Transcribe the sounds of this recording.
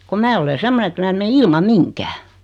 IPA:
kom mæː ole semːone ĕt mæː ĕm me ilmɑm̆ miŋkæː

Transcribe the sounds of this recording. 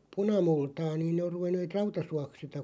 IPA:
punɑmultɑː niːn ne or ruʋenːeːt̆ rɑutɑsuɑk sitæ

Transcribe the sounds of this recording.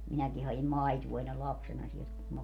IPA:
minæki hɑim mɑituo enːel lɑpsenɑ sielt kum mɑ

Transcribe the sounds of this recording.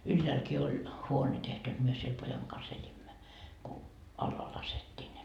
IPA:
ylːæːlki olʲ huone tehty jot myø siel pojɑŋ kɑs elʲimːæ ku ɑlːɑː lɑsetːiː ne

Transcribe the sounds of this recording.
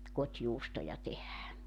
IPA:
kotʲjuːstojɑ tehæː

